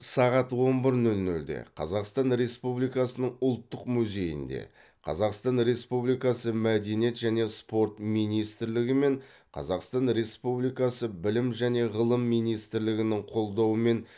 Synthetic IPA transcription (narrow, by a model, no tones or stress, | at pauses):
sɑʁɑt̪wo̞nbɪɾnɵlnɵld̪ḛqʰɑ̰zɑqst̪ɑnɾe̞spublijkɑsənəɴʊlˠt̪ːəqmuze̞jɪ̰nd̪e̞̰ | qʰɑ̰zɑqst̪ɑnɾe̞spublijkɑsəmæd̪e̞nje̞t̪ʒæne̞spo̞ɾt̪mijnijst̪ɪɾlɪɡʲɪme̞ɴ | qʰɑ̰zɑqst̪ɑnɾe̞spublijkɑsəbɪlɪmʒæne̞ʁəlˠəmːijnijst̪ɪɾlɪɡʲɪnɪŋqʰo̞lˠd̪ɑwəme̞n